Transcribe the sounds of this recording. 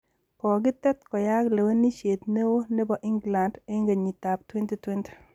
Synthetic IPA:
kɔ˨ɡɪ˦t̪ɛ˦t̪kɔ˨ja˦kle˨we˦ni˦ʃe˨t̪ne˦wo˦ne˦bɔ˨ʔɪ˦ŋɡla˨nde˦ŋɡe˨ɲi˨ta˨p̚twe˦nte˦twe˦nte̥˨

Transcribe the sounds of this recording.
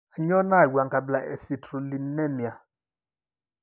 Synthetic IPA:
ɲɔ˦na˦˨wʷa˨ŋ˨ɡa˨bla˨ʔɛ̰˨si˨tʰɾu˨li˨˦nɛ˦mja˨

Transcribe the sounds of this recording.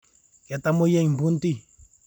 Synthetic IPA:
ka˨t̪a˦mo˦jɛ˦ɲm˨bu˦n˦t̪i˦˨

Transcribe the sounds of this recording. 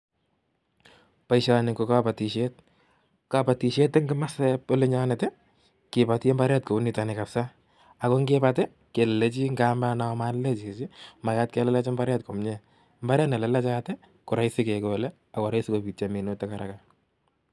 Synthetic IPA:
pa˦iʃanɪ˨ko˨ka˦pa˨ti˨ʃet̚ | kapa˨ti˨ʃe˦tːɪ˦ŋɡɪ˦ma˦sɛpo˦le˦ɲa˦ne˨tɛ˦ | kɪ˨pati˦mba˦ɾjatko˨u˦ni˦ta˨ne˨kapsa˦ | a˨ko˦ŋɡepatɛ˦ | ke˨lle˦t͡ʃi˦ŋɡa˦ma˦na˨˦ma˦nle˦t͡ʃt͡ʃi˦ma˨jat̚ke˦lɛ˦lɛ˦t͡ʃe˦mbaɾjat̚ko˨mɲe | mba˦ɾja˦tne˨lɛ˨lɛ˦t͡ʃatɛ˦ | kʊ˨ɾa˦isi˦ke˨ko˨lɛ˦ | a˨kɔ˨ɾa˦isi˦ko˨pi˨t͡ʃami˨no˦tːekaɾaka

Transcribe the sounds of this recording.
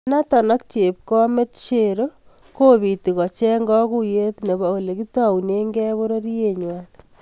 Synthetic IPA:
na˦tɔ˨nɔ˦k̚t͡ʃe˨p̚kɔ˦me˦tʃe˨ɾo˦ | ko˦βi˨ti˨kɔ˨t͡ʃɛ˦ŋɡɔ˦ku˦je˦tne˨bɔ˨ole˨ki˦tawune˦ŋɡɛ˦βo˦ɾo˦ɾi˦jeɲwan

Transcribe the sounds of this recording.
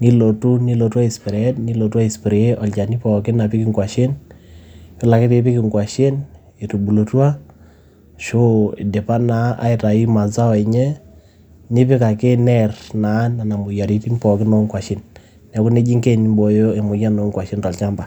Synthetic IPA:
ni˦lo˨tu˦ni˦lo˨twa˦i˨spɪ˨ɾe˨ɛ˦tni˦lo˨twa˦i˨spi˨ɾe˨e˦ʔɔ˨lt͡ʃa˨ni˦pɔ˨kɪ˦na˨pɪ˦ki˨ŋɡwa˨ʃe˦n | pɪ˦la˨kɪ˦pe˦pɪ˦kɪ˨ŋɡwa˨ʃe˦n | e˨tu˨bu˨lo˨twa˦ | ʃo˦˨dɪ˨pa˦na˨˦ʔa̰˦ɪ˨ta˨i˦ma˨za˦ɔ˨e˨ɲɛ˦ | nɪ˦pɪ˦ka˨ke˦nɛ˦rna˨˦na˨na˨mʊ˨ja˨ɾi˦ti˦ŋpɔ˨kɪ˦no˦ŋkwa˨ʃi˦nː | a˨˦ku˦ne˦d͡ʒi˦ŋke˦˨n˦mbo˨jo˦e˨mʊ˨ja˦no˨˦ŋkwa˨ʃe˦ntɔ˨lt͡ʃa˦mba˨

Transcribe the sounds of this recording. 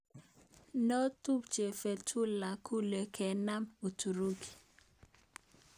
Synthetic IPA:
no˦tu˦pt͡ʃe˨fe˨tʰu˦la˨kʰu˦le˨kʰɛ˨na˦mo˨tu˨ɾo˦ki̥˨

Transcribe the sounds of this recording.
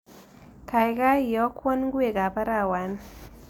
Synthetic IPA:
ka˨jɡa˦jɔ˨˦kwɔ˦nɡwe˨ɡa˨ba˦ɾa˦˨wa˨n

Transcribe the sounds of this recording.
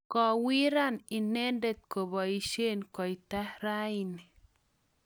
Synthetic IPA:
kɔ˧wi˦ɾa˦ni˧ne˦nde˦˧t̪̚ko˨ba˨i˧ʃe˦nkɔ˨jt̪a˦hɾa˦jni˨

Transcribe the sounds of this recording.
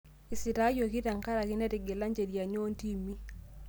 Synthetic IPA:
i˨si˨ɾa˦jo˨ki˦ta˨ŋka˦ɾa˨ki˦nɛ˦ti˨ɡɛ˨la˦ɲd͡ʒe˨ɾja˨ɲo˦nti˦mi˦

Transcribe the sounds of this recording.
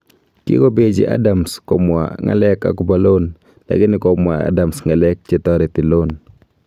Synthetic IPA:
kɪ̰˦ko˦be˨d͡ʒḭ˨ʔa̰˦damskɔ˨mwa̰˨ŋa̰˨lɛ˦ka̰˨kʊba˨lo˦n | la̰˨ɡɪ˦nɪ˦kɔ˨mwa̰˨a̰da˨msŋa˨lɛ˦k̚t͡ʃe˨t̪ɔ˦ɾɛ˨t̪ɪ˨lo˦n

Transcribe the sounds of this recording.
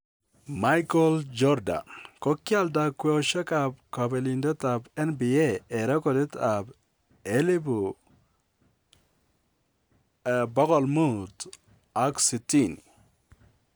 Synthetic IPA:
ma˦jkɔ˦ld͡ʒɔ˦ɾda̰˨nko˦kja˦lda˨kwo˦ʃa˦ka˨p̚ka˨be˨li˨ndɔ˦ta˨bɛ˦nbi˨e˦ɛ˨ɾɔ˦kɔ˨de˦ta˨b | e˦li˦bu˨ | bɔ˦kɔ˨lmu˦t | a˦ksi˨ti˦˨n

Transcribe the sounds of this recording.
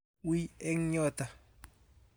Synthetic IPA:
wi˦ɛ˦ŋɲɔ˦˨ta˨

